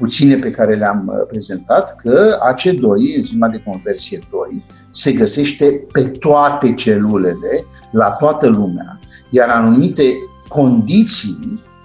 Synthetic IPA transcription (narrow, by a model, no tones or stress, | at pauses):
put̪sine̞pe̞kaɾe̞leampɾe̞ze̞nt̪at̪kʰəat͡ʃe̞d̪o̞jɨnzimad̪e̞ko̞nve̞rsije̞d̪o̞j | se̞ɡəse̞ʃt̪e̞pe̞t̪oat̪e̞t͡ʃe̞lule̞le̞ | lat̪oat̪əlumea̰ | jaɾanumit̪e̞ | ko̞nd̪it̪sij